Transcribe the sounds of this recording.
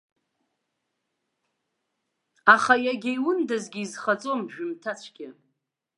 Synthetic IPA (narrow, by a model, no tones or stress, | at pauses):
aχajaɡʲejwʊndazɡʲiːzχat͡sʼomʒᶣʏmtʰat͡ɕʷʰɡʲɪ